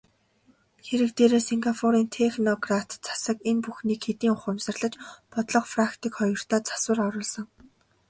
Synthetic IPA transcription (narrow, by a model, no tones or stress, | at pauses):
xeɾɘ̆k̚t̪eːɾeːsiŋɡapʰoɾiːnt̪ʰexnɔɡrat̪t͡sʰḁsə̆kenpuxniːkxet̪iːŋʊχʊmsə̆rɮə̆t͡ɕpɔt̪ɮɞ̆qfrakt̪iːkχɔjɞ̆r̥t̪ʰaːt͡sʰḁsə̆rɔɾʊːɮsɞ̆ŋ